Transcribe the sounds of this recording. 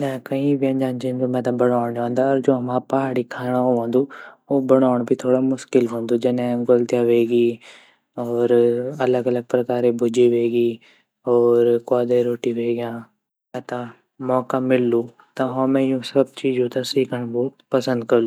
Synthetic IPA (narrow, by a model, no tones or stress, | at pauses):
nɛ̃kɐĩʋɪjə̃nd͡ʒãːnd͡ʒɪ̃nd͡ʒõmɛ̃ːt̪ãbɐɽaːɽ̃jãːnd̪aɔːɾd͡ʒoːɦɐmãːpaɦaːɽikʰaːɽ̃ooʋõːnd̪uoːbɐɽaːɽ̃bʱit̪ʰoːɽamʊʃkɪlɦõːnd̪ud͡ʒɪnɛ̃ɡolt̪jaʋeːɡiː | ɔːɾɐləɡɐləɡ̚pɾɐkaːɾebʱʊd͡ʒiʋeːɡiː | ɔːɾkaːd̪eɾoːʈiʋeːɡɪjãː | mɛ̃ːt̪ã | mɔːkamɪlːũ | t̪ɐɦomɛ̃jũsɐb̚t͡ʃiːd͡ʒũt̪asiːkʰəɽ̃bopɐsə̃nd̪̚kɐɾlu